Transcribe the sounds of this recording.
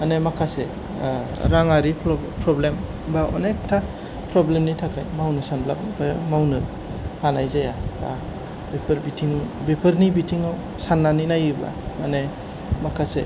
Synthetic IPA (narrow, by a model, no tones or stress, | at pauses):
manemakʰase | ɾaŋaɾipʰ | pʰɾɔblem | baɔ̰nek̚tʰːa | pʰɾɔblemnitʰakʰajmawnɯsanblabnibajamawnɯ | hanajzajaba̰ | bipʰɾbitʰiŋbipʰɯɾnibitʰiŋaw | sanːaninajibla̰mane | makʰase